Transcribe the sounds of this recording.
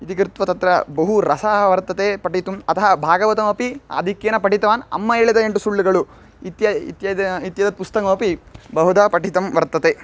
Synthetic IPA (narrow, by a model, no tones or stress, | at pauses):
it̪ikɾt̪ʋɐt̪ɐt̪ɾɐbɐɦuɾɐsaːɦɐʋɐɾt̪ːɐt̪epɐʈit̪umɐt̪ɐɦɐbʱaːɡɐʋɐt̪ɐmɐpiɐ̰d̪ʱikːjenɐpɐʈit̪ɐʋaːnɐ̰mːɐeːɭɐd̪ɐeɳʈusuɭːiɡɐɭu | it̪jɐḭt̪jɐit̪jɐd̪ɐt̪̚pust̪ɐkɐmɐpibɐɦud̪ɐpɐʈit̪ɐmʋɐɾt̪ːɐt̪eː